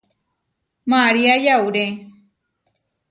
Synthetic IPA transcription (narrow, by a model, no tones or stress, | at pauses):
maɾiajawɾe